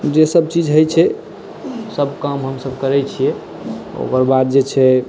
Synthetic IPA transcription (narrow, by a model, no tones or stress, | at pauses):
d͡ʒesəb̚t͡ʃid͡ʒɦəjt͡ʃʰɛ | səbkamɦəmsəbkəɾɛt͡ʃʰijɛ | o̰kəɾbad̪̚d͡ʒet͡ʃʰɛ